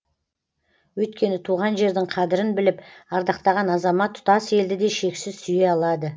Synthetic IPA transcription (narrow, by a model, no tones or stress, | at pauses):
wɵjt̪̚kʲe̞nɪt̪ʰuʁɑnʒe̞ɾd̪ɪŋqʰɑd̪ɪɾɪnbɪlɪpɑɾd̪ɑqt̪ɑʁɑnɑzɑmɑt̪ʰːʊ̥t̪ɑse̞ld̪ɪd̪e̞ʃe̞ksɪzsʏje̞ɑlˠɑd̪ə